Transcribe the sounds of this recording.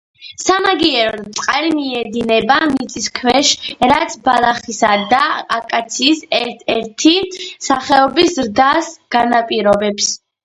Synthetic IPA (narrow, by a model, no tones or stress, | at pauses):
samaɡiɛɾɔt̪sʼqʼalimiɛd̪inɛbanit̪sʼiskʰwɛʃɾat̪sʰbalˠaχisad̪aakʼat̪sʰiːsɛɾtʰɛ̰ɾt̪ʰisaχɛɔbisɾd̪asɡ̥anapʼiɾɔbɛps